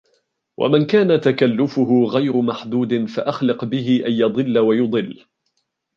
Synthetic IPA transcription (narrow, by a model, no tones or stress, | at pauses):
wʔa̰mankaːnat̪akalːʊfʊɦʊɣajɾʊmaħd̪uːd̪ɪnfaʔaxlɪqbɪɦɪʔanjɑd̪ˤɨlːawajʊd̪ˤɨlː